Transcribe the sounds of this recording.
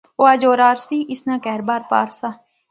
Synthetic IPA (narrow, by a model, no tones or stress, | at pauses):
oaːd͡ʒoːɾaːɾsiːʔɪsnãːkɛːɾbaːɾpa̰ːɾsaː